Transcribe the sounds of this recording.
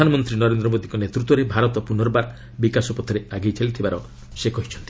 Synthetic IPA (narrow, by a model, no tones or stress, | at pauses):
anɔmɔnt̪ɾinɔɾend̪ɾɔmod̪ikɔnet̪ɾut̪wɔɾebʱaɾɔt̪ɔpunɔɾɔbaɾ | bikasɔpɔt̪ʰɔɾeaɡejt͡ʃalit̪ʰibaɾɔ | sekɔɦit͡ʃʰɔnt̪i